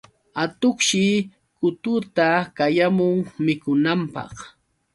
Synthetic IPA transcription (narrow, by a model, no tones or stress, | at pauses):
at̪ʊχʃɪ | kʊt̪ʊt̪akajamʊŋmɪkʊnampɑ̰χ